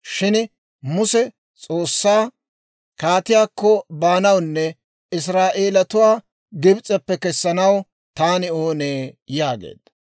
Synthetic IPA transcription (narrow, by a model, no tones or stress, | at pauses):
ʃɪn | mʊsɛ | t͡sʼo̞ːsːaː | kaːt̪ɪjaːkːɔbaːnɐwnːɛ | ɪs̬ɾaːʔe̞ːlɐt̪ʊwaː | ɡɪbt͡sʼɐpːɛkɛsːɐnɐw | t̪aːnɪoːneːjaːɡḛːd̪̥ɐ